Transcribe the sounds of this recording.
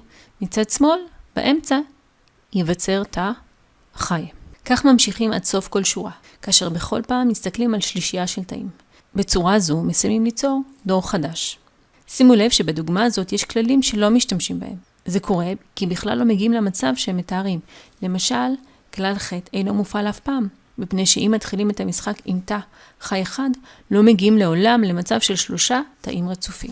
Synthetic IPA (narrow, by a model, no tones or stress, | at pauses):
mit͡sadsmo̞lb̥a̰ʔe̞mt͡sa | jevat͡se̞ʁtʰa | χajkaχmamʃiχima̰dso̞fko̞lʃuʁa | kaːʃeʁbeχo̞̰lpaːmjist̪aklimalʃliʃijaʃe̞lta̰ʔḭm | bet͡suʁazumesajmimlit͡so̞ʁdo̞ʁχadaʃ | simule̞vʃe̞beduɡmaːzo̞tjeʃklalimʃe̞lo̞miʃtamʃimba̰he̞m | ze̞kʰo̞ʁe̞kibiχla̰lːo̞meɡiimlemat͡savʃeemːetaaʁimle̞maʃal | klalχe̞tʰejno̞mufalafpaːmː | ipne̞jʃe̞ʔimːatχilime̞tamisχakimt̪a | χajeχad | lo̞me̞ɡiimle̞o̞lamle̞mat͡savʃe̞lʃlo̞ʃata̰ʔimʁet͡sufḭm